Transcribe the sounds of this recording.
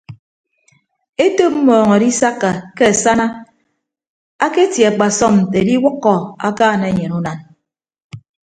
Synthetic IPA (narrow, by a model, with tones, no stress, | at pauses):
e˦to˦p̚m̩˦mɔː˨ŋɔ˨di˦sa˦kːa˨ke˦a˨sa˦na˦ | a˦ke˦tja˨k͡pa˨sɔ˦mn̩˨te˨di˦wʊ˦kːɔ˨a̰˦kaː˦˨ne˨˦ɲe˨nu˦na˨n